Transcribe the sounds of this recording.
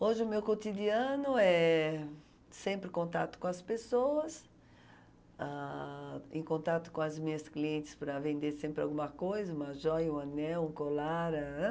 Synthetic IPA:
oʒɪʊmewkot̪id̪iɐ̃nʊɛ | sẽmpɾɪkõnt̪at̪ʊ̥kõɐspesowɐs | a | ẽkõnt̪at̪ʊ̥kõɐzmĩɲɐskliẽnt̪ɪ̥spɾɐvẽnd̪eɾsẽmpɾɪa̰wɡũmɐkojzɐũmɐʒɔjũɐnɛwũkolaɾɐ

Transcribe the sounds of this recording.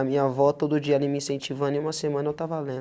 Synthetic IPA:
ɐmĩɲɐvɔt̪od̪ʊʊd͡ʒiɐalĩmĩsẽnt͡ʃivɐ̃nẽũmɐsemɐ̃nɐewt̪avalẽd̪

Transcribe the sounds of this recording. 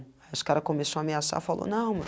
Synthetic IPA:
ajʊskaɾɐkomesoameasa̰falʔo̰nɐ̃w̃me

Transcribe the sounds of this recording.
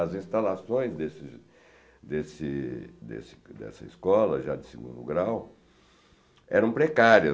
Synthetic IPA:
ɐzĩst̪alasõj̃zd̪esɪ | d̪esɪd̪ḛsɪ̥d̪ɛ̰sɐiskɔlɐ̰ʒad̪ɪsɪɡṵ̃d̪ʊ̰ɡɾaw | ɛɾɐ̃w̃pɾekaɾiɐ

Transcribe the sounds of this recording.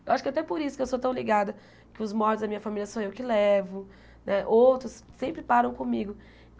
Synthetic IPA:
ewʔaʃʊ̥kɪat̪ɛpoɾisʊkewsot̪ɐ̃w̃liɡad̪ɐ | kɪʊzmɔɾd͡ʒ̪ɪzd̪ɐmĩɲɐfamilʲjɐsɐ̃w̃ewkɪlɛvʊ | nʔɛʔowt̪ɾʊssẽmpɾɪpaɾɐ̃w̃kõmiɡʊ

